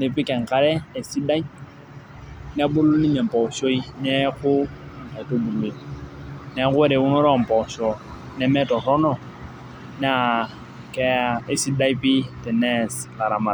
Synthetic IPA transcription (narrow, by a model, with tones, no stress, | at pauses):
ne˨pɪ˦kɛ˨ŋ̩˨ka˦ɾɛ˦e˨si˦da˦i˦ | n˦a˦bʊ˦lo˦ni˦mɛ˨m̩˨pɔ˨ʃo˦i˦nɛ˦kʊ˦˨ | ŋ̩˨ta˨i˨to˦bu˨lu˨e˨ | nɛ˨˦kʊ˦ɛ˦ɾɛ˨ʊ˦nɔ˦ɾɔ˦˨m̩˨pɔ˨ʃɔ˨ | nɛ˦mɛ˦tɔ˨rɔ˦nɔ˦˨ | n˦a˦˨ | kɛ˦ae˨si˦da˦i˦pɪ˦tɛ˨nɛ˦sla˨ɾa˨ma˨